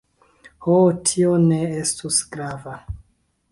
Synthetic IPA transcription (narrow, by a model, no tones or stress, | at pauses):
hotʰio̞ne̞estusɡɾava